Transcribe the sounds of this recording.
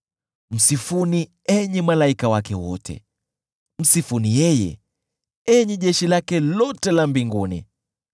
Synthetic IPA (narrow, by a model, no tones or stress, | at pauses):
m̩sifuni | ɛɲimalaikawakɛwɔ̰tʰɛ̰ | m̩sifunijɛjɛ̰ | ɛɲiʄɛʃilakɛlɔtɛlambiŋɡunḭ